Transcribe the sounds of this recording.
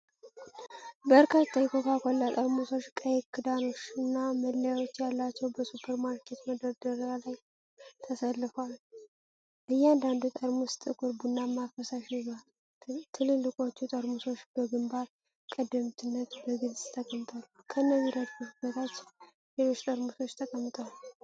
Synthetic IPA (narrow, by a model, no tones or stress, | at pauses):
bəɾkʰat̪ːajɛkʰokakʼɔlːat̪ʼəɾmuso̞t͡ʃːkʼəjekʰːɨd̪ano̞t͡ʃːɨnːaməlːəjawo̞t͡ʃːjalːat͡ʃːɛwbəsupʰəɾmaɾkʰːet̪məd̪əɾd̪əɾalaj | t̪ʰəsəlːɨfal | ʔɨjːɛand̪and̪ut̪ʼəɾmust̪ʼɨkʼuɾbunːamafəsaʃizal | t̪ʰɨlɨlːɨkʼo̞t͡ʃːut̪ʼəɾmuso̞t͡ʃːb̥əɡɨmbaɾ | kʼəd̪ːəmt̪ʰɨnːət̪bəɡɨlzʼt̪ʰəkʼəmt̪ʰʼalː | kʰəɨnːəɡiɾəd̪fusbət̪ʰat͡ʃːɪn | lelo̞t͡ʃːt̪ʼəɾmuso̞t͡ʃːt̪ʰəkʼəmːt̪ʼwal